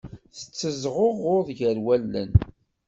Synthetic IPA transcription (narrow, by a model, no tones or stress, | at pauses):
θə̥t͡sːəzʁoʁʊɾðʝəɾwælːə̰n